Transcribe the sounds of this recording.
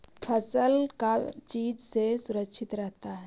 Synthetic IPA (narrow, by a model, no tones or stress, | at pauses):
pʰəsəlkat͡ʃiːd͡ʒsesʊɾəkʃʰɪt̪ɾɛɦt̪aɦɛː